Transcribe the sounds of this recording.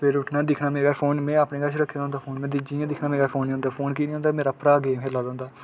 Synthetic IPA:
pʰɪɾʊʈʰnãːd̪ɪkʰnaːmeːɡaːpʰoːnmɛ̃ːaːpneːɡəʃɾəkʰːeːd̪aːʊ̃nd̪aːpʰoːnmɛ̃ːd̪ɪd͡ʒijãːd̪ɪkʰnaːmeːɡaːpʰoːnĩɦʊ̃nd̪aːpʰoːnkiːniːɦõːnd̪aːmeːɾaːpɾaːɡeːmɦeːlaːd̪ãːnd̪aː

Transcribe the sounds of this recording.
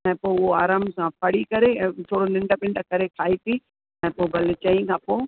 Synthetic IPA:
ɛ̃ːpoʊɦoaːɾaːmsãpɐɽikɐɾẽt̪ʰoːɽonɪ̃ɳɖəpɪ̃ɳɖəkɐɾekʰaːit̪i | ɛ̃ːpoːbɐlɪt͡ɕɐĩkʰãːpoː

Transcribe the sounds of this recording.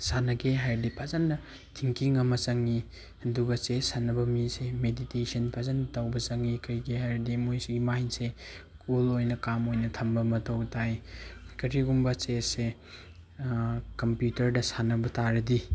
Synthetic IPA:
sanɐɡeɦajɾdipʰazanːɐ | tʰiŋkiŋɐmɐt͡ʃɐŋi | hɐnduɡɐt͡ʃesanɐbɐmisemeditesɐnpʰazantawbɐt͡ʃɐŋikɐɾjɡeɦajɾdimojsuɡimainse | kulojnɐkamojnɐtʰɐmbɐmɐtʰɐwtʰajkɐɾiɡumbɐt͡ʃesse | kɐmpjutɐɾdɐsanɐbɐtaɾɐdi

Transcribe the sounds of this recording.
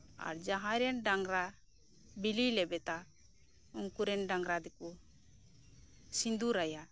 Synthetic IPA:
a̰ɾd͡ʒaɦãɾɛnɖaŋɡɾa | bililɛbɛt̪a | uŋkuɾɛnɖaŋɡɾad̪ɛku | sind̪uɾaja

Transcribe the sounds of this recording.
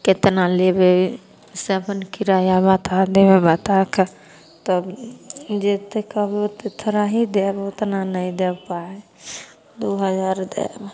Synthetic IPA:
kɪt̪nalebe | seəpənkiɾajabat̪ʰad̪ebebət̪akʰ | t̪ɔbd͡ʒet̪ekəbot̪et̪ʰɾaɦid̪ebʊt̪nanəĩd̪ebpae | d̪oɦəd͡ʒaːɾd̪ḛb

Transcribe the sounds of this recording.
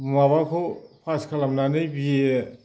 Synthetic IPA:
maβakʰopʰaskʰalamnanɯjbije

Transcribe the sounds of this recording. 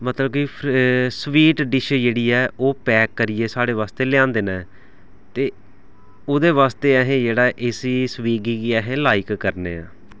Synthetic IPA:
mət̪ləb̚kipʰsʋiːʈɖɪʃd͡ʒeːɽiːɛːʔoːpɛːkːəɾijeːsaːɽeːʋaːst̪eːlɪjãːnd̪eːnãɛ | t̪eː | oːd̪eːʋaːst̪eːɛɦẽːd͡ʒeːɽaːʔesiːsʋiːɡiːkiɛːɦẽːlaːɪkːəɾnḛːã̰ː

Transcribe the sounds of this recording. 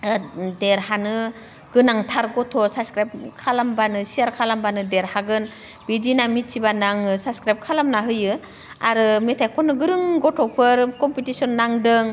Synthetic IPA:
deɾhanɯ | ɡ̥ɯnaŋtʰaɾɡɔtʰɔsaskɾap̚kʰalambanɯsiaɾkʰalambanɯdeɾhaɡɯn | bidinamit̚sibanaŋɯsaskɾajp̚kʰalamnaɦɯjɯ | aɾɯmetʰajkʰɔnɯɡɯɾɯŋɡɔtʰɔpʰɯɾkɔmpitisɔnːaŋdɯŋ

